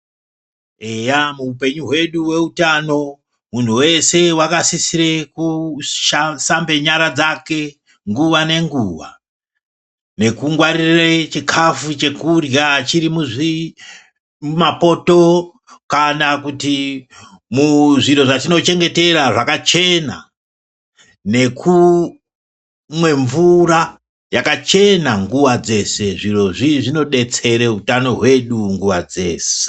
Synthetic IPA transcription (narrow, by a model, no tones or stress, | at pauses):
ejamuːpe̞ɲuɦwe̞ɗuwe̞utano̞ | mun̤uwe̞se̞wakasisiɾekuʃasambe̞ɲaɾad͡zake̞ | ŋɡuʋane̞ŋɡuʋa̰ | ne̞kuŋɡwaɾiret͡ʃikʰafut͡ʃe̞kurjat͡ʃiɾimuʐi | umapo̞to̞ | kanakuti | muʐiro̞ʐatino̞t͡ʃe̞ŋɡe̞te̞raʐakat͡ʃe̞na̰ | ne̞kʰu | mwe̞ɱvura | jakat͡ʃe̞naŋɡuwad͡ze̞se̞ʐiro̞ʐiʐino̞ɗe̞t͡se̞ɾe̞utano̞ɦwe̞ɗuŋɡuwad͡ze̞ːse̥